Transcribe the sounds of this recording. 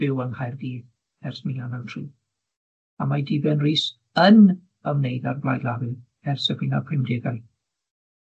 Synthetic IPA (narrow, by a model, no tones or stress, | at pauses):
b̥ɪwənhajrɡiːð | ɛrsmɪnanawtʰriː | amajdibɛnriːs | ən | əmnejðarblˠajlˠavɨ | ɛrsəvɪnapʰrɪmdɪɡaj